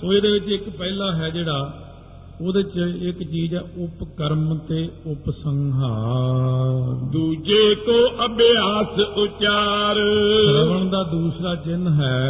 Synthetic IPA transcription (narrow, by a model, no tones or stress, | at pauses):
oːeːd̪eːʋɪt͡ʃɪkpɛːlaːɦɛːd͡ʒeːɽaː | oːd̪eːt͡ʃɪkt͡ʃiːzɛːʊpkəɾmt̪eːʊpsəŋɦaː | ɾd̪uːd͡ʒeːkoːʔəbeaːsʊt͡ʃaːɾɾəʋəɳd̪aːd̪uːsɾaːt͡ʃɪnɦɛː